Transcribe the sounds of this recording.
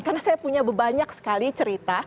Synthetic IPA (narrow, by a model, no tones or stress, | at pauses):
karnasajapuɲabəbaɲaksə̥kalit͡ʃəɾit̪a